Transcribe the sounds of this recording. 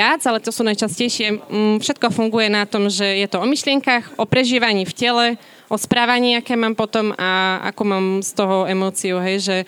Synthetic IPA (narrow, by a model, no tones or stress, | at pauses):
ad͡zalɛt̪ɔsuːnajt͡ʃascɛjʃɪɛfʃɛt̪̚kɔfuŋɡujɛnat̪ɔmʒɛjɛt̪ɔɔmiʃlɪɛŋkaxʔɔpɾɛʒiːʋaɲiːfcɛlɛ | ʔɔspɾaːʋaɲiːakɛːmaːmpɔt̪ɔmaa̰kuːmaːmst̪ɔɦɔɛmɔːt͡siɔɦɛjʒɛ